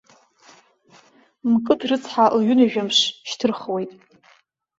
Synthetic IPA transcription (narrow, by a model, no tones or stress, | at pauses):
mkʼɨtʰrɨt͡sʰħalɥʏnaʒᶣamʂʃtʰɨrχwe̞jtʼ